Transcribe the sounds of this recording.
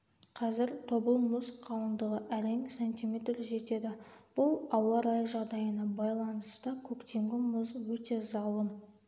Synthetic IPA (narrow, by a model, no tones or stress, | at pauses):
qʰɑzɪɾt̪ʰo̞bəlˠmʊsqʰːɑwənd̪əʁəʔæɾeŋsenʲt̪ijmʲe̞t̪rʒe̞t̪e̞d̪ɪb̥ʊlˠɑwɑɾɑjʒɑʁd̪ɑjənɑbɑjlˠɑnəst̪əkʲʰɵkt̪e̞ŋɡʲɪmʊzwɵt̪e̞zɑlˠəm